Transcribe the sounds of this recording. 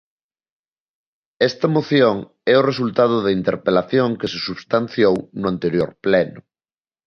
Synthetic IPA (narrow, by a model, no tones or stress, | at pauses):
ɛst̪ɐmoθjoŋ | ɛʊres̬ult̪að̞ʊðɐint̪ḛɾpelaθjoŋkesesuβst̪an̟θjownʊant̪eɾjoɾplɛnʊ